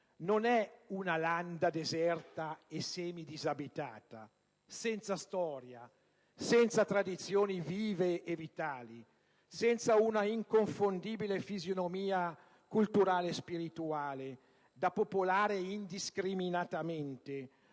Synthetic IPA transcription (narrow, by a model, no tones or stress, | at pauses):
nonɛunaland̪ad̪ezɛrt̪aesɛːmid̪izabit̪a̰ːt̪a̰ | sɛnt̪sast̪ɔːɾja | sɛnt̪sat̪ɾad̪it̪sjoːniviːveevit̪aːli | sɛnt̪saunaiŋkoɱfond̪iːbilefizjonomiːa | kult̪uɾaːlespiɾit̪uaːle | d̪apopolaːɾeind̪iskɾiminat̪amɛnt̪e